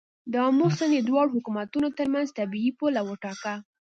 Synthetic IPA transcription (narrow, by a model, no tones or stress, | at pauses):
d̪əɑmusəned̪wɑɽhʊkumat̪unot̪əɾmanzt̪abiipolawəʈɑka